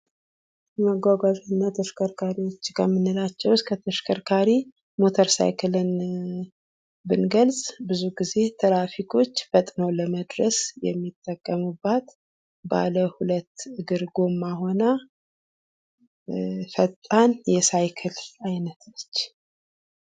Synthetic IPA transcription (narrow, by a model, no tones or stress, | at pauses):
məɡʷaɡazʼɨnːat̪ʰəʃkʰəɾkʰaɾiwo̞t͡ʃːkʰəmːɨnːɨlat͡ʃːɛwskʰət̪ʰəʃkʰəɾkʰaɾi | mot̪ʰəɾsa̰jkʰɨlɨn | bɨnɡəlsʼbɨzuɡize̞t̪ʰəlafikʰo̞t͡ʃːfət̪ʼnoləməd̪ɾəsjɛ̰mːit̪ʼːəkʼːəmubːat̪ | ba̰ləhulət̪ːɨɡɨɾɡo̞mːaho̞na | fət̪ʼːanjɛsajkʰɨlajnət̪lət͡ʃː